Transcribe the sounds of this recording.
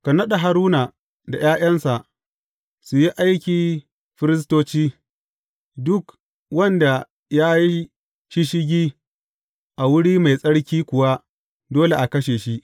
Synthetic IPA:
ka˨nɐ˦ɗa˨ɦa˨ɾuː˦na˨ | da˨jaː˦jɐ˦nsa˨ʔ | su˨ji˦ʔa˦jkʲiː˨ | ɸɪ˦ɾɪ˦s̬toː˦t͡ʃiː˦ | dʊ˦k | wɐ˦nda˨ | jaː˦ji˦ | ʃi˦ʃɪ˦ɡʲiː˦ | ʔa˨wʊ˦ɽiː˦ma˨jsʼɐ˦ɽkʲiː˦kʷʊ˨wa˦ | doː˦le˨ʔa˨kɐ˦ʃeː˨ʃi˦ʔ

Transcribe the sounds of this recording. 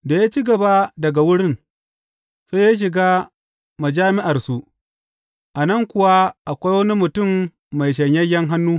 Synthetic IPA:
da˨ja˦t͡ʃi˦ɡɐ˨ba˦dɐ˨ɡa˨wʊ˦ɽɪ˦n | so˦ja˦ʃ̬ɪ˨ɡaː˦ | ma˨d͡ʒaː˦mɪ˦ʔa˨rsu˦ʔ | ʔa˨nɐ˦˨ŋkʷʊ˨wa˦ʔa˨kʷa˦jwɐ˦ni˦mʊ˨tʊ˦˨mː | a˨jʃ̬ɐ˨ɲjɐ˦jɐ˦ŋɦa˦nːuː˦

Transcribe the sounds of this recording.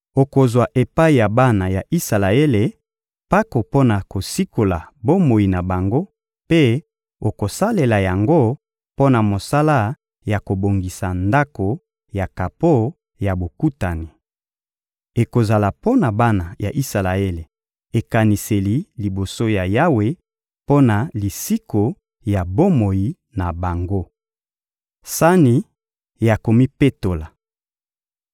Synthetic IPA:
o˨ko˨zwa˨ʔe˨pa˦i˨ja˨ba˦na˨ja˨ʔi˦sa˨la˨e˦le˨ | pa˦ko˨po˦na˨ko˨si˦ko˨la˨bo˦mo˨i˨na˨ba˨ŋɡo˦ | pe˦ | o˨ko˨sa˦le˨la˨ja˨ŋɡo˦ | po˦na˨mo˨sa˦la˦ | ja˨ko˨bo˨ŋɡi˨sa˨nda˦ko˨ | ja˨ka˨po˦ | ja˨bo˨ku˦ta˨ni˨ | e˨ko˨za˨la˨po˦na˨ba˦na˨ja˨ʔi˦sa˨la˨e˦le˨ | e˨ka˨ni˨se˨li˨li˨bo˨so˦ja˨ja˦we˨ | po˦na˨li˨si˦ko˨ | ja˨bo˦mo˨ji˨ | na˨ba˨ŋɡo˦ | sa˦ni˨ | ja˨ko˨mi˦pe˦to˨la˨

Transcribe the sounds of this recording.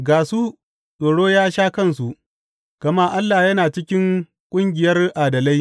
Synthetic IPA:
ɡaː˨su˦ | ɗoː˨ɽoː˦jaː˦ʃaː˦kɐ˦nsu˨ | ɡ̥ɐ˨ma˦ʔa˦lːaː˨jɐ˦naː˨t͡ʃɪ˦kʲɪ˦ŋ | kʷʼʊ˦ŋɡʲɪ˨jɐ˦rʔaː˨dɐ˨la˦j

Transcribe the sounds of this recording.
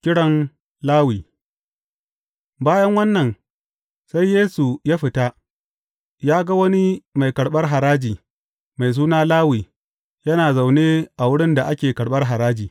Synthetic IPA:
kʲɪ˦ɽɐ˦n | laː˦wiː˨ | baː˦jɐ˦ŋwɐ˦nːɐ˨n | sa˦jːeː˦su˨jaː˦ɸɪ˨ta˦ | jaː˦ɡɐ˦wɐ˦ni˦ma˨jkɐ˨ɽɓɐ˦rɦa˨ɾaː˦d͡ʒiː˨ | ma˨js̬uː˦naː˦laː˦wiː˨ | jɐ˦naː˨za˨wneː˦ʔa˨wʊ˦ɽɪ˦nda˨ʔa˦kʲeː˨kɐ˨ɽɓɐ˦rɦa˨ɾaː˦d͡ʒiː˨

